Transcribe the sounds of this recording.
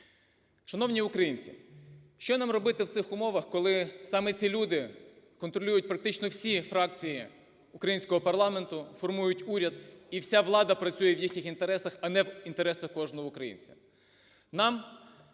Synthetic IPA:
ʃɐnɔwnʲiʊkɾɐjinʲt͡sʲḭʃt͡ʃɔnɑmrɔbɪt̪ɪwt̪sɪxʊmɔʋɐxkɔlˠɪsɑmɛt͡sʲilʲud̪ɪ | kɔnt̪ɾɔlʲujʊt̚ʲpɾɐk̚t̪ɪt͡ʃnɔwsʲifɾɑk̚t͡sʲiji | ʊkɾɐjinsʲkɔɦɔpɐrlˠɑme̞nt̪ʊfɔrmujʊtʲuɾʲɐd̪iwsʲaʋlˠɑd̪ɐpɾɐt͡sʲujɛʋjixnʲɪxint̪eɾɛsɐxɐnɛwint̪eɾɛsɐxkɔʒnɔɦɔʊkɾɐjḭnʲt͡sʲɐ̥ | nɑm

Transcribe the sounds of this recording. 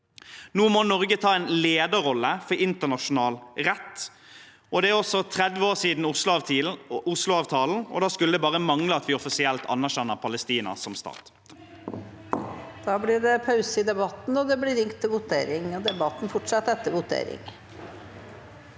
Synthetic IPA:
nuːmɔnɔʁɡət̪ʰɑːɛɪnleːd̪əɾɔlːəfɔɾɪnt̪ənɑʂʊnɑːlʁɛt̪ː | ʔɔd̪ɛæʁɔsɔt̪ʰʁɛd̪ʋəoːʁsiːd̪n̩s | ʊslʊɑːʋt̪ʰɑːln̩ɔ̰d̪ɑːskʉləd̪ɛbɑːʁəmɑŋləɑt̪ʋɪɔfɪsɪɛlt̪ʰɑ̰nːæʁʃɛnːəpʰɑləst̪iːnɑ̰sɔmst̪ɑ̰ːt̪ | d̪̥ɑːblɪɖɛpʰɑʉsəɪd̪ɛbɑt̪n̩ɔd̪ɛblɪɾɪŋkt̪ʰːɪlʋʊt̪ḛːɾɪŋɔd̪ɛbɑt̪n̩fɔʈʂɑt̪ːɛt̪ːəɾʋʊt̪ʰḛːɾɪ̰ŋ

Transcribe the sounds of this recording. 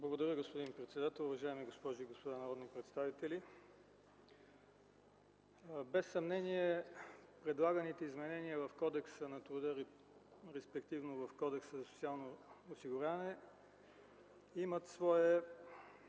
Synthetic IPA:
blˠɡod̪ɐɾʲjəɡospod̪inpɾɛt̪sɛd̪at̪ɛlˠʊvɐʒaɛmiɡospɔʒiɡospod̪anɐɾɔd̪nipɾɛt̪st̪avit̪ɛlʲi | bɛsːɐmnɛniɛpɾɛd̪lˠaɡənit̪ɛizmɛnɛniəvɐfkɔd̪ɛksənɐt̪ɾʊd̪əɾ | ɾɛspɛkt̪ivnovɐfkɔd̪ɛksəzɐsʊ̥t̪sialˠnoːsiɡʊɾʲavnɛ | imət̪svɔɛ

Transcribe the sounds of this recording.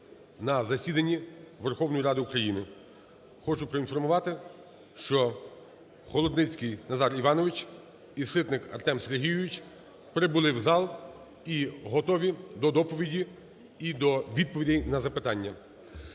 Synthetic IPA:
nɐzɐsʲid̪ɐnʲːiʋerxɔwnɔjiɾɑd̪ɪukɾɐjinɪ | xɔt͡ʃʊpɾɔinfɔrmʊʋɑt̪ɪ | ʃt͡ʃɔ | xɔlˠɔd̪nɪt͡sʲkɪjnɐzɑɾiʋɑnɔʋɪt͡ʃ | isɪt̪nɪkɐrt̪ɛmseɾɦʲijʊʋʲit͡ʃʲ | pɾɪbʊlˠɪwzɑlˠ | iɦɔt̪ɔʋʲid̪ɔd̪ɔpɔʋʲidʲi | id̪ɔʋʲid̪̚pɔʋʲidʲijnɐzɐpɪt̪ɑnʲːɐ

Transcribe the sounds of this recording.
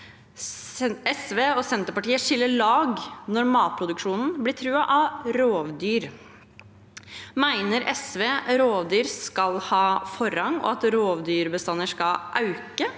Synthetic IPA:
ɛsʋeːɔsɛnt̪əɾpɑʈiːəʂɪlːəɭɑːɡnɔɾmɑːt̪̚pʰɾʊd̪ʉkʂuːnn̩bliːt̪ʰɾʉːɑʔɑɾoːʋd̪yːɾ | mæɪnəɾʔɛsʋeːɾoːʋd̪yːɾskɑlhɑːfɔɾɑŋɔ̰ɑt̪ɾoːʋd̪yːɾbəst̪ɑnːəʂkɑlʔɑʉkə

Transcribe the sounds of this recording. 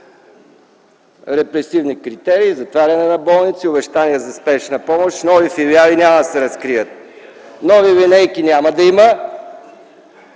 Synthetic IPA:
ɾɛpɾɛsivnikɾit̪ɛɾiːzɐt̪vaɾʲɐnɛnɐbɔlˠnit̪siʊbɛʃt̪aniɛzɐspɛʃnəpɔmoʃnɔvifiliavinʲamɐd̪ɐsɛɾɐskɾiət̪̚nɔvivinɛjkinʲamɐd̪ɐimə

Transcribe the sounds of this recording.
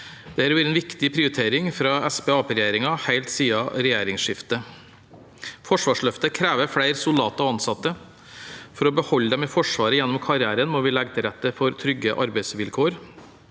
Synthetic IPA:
d̪̥ɛæɾæːɾɛnʋɪkt̪ɪpʰɾɪʊɾɪt̪ʰeːɾɪŋfɾɑɛsbɛːɑːpɾɛjeːɾɪŋɑhæɪlt̪siːɑɾɛjeːɾɪŋsʂɪft̪ə | fɔʂʋɑːʂɭœft̪əkʰɾæːʋəɾfɽæɪɾsʊlɑːt̪ɑɔɑnsɑt̪ːə | fɔɾɔbəhɔlːəd̪ɛmɪfɔʂʋɑːɾəjɛnːɔmkʰɑɾɪæːɾənmɔʋɪlɛɡt̪ʰɪɾɛt̪ːəfɔɾt̪ʰɾʏɡːəʔɑɾbæɪsʋɪlkʰoːɾ

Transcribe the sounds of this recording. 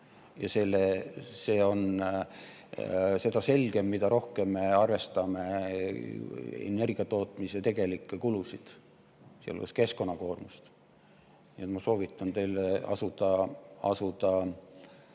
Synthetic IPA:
jɑse̞lese̞ːo̞n | se̞d̪ɑse̞lɡ̥e̞mːid̪̥ɑɾo̞hke̞mːe̞ɑrve̞st̪ɑme̞ | ḛne̞rɡ̥iɑt̪o̞ːt̪miset̪e̞ɡ̥e̞likːˑekulusid̪̥ | siḛl̰ḛske̞sko̞nːɑko̞ːrmust̪ | niet̪mɑso̞ːvit̪ˑːɑnt̪e̞jleɑ̰sud̪̥ɑɑ̰sud̪̥ɑ

